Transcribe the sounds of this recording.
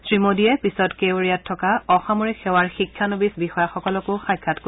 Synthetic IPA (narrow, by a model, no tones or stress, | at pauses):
sɹimodiɛpisɔtkewɹijatʰːɔkaɔxamoɹixɛwaɹxikʰːanobisbixɔjaxɔkɔlɔkʊxajkʰːatk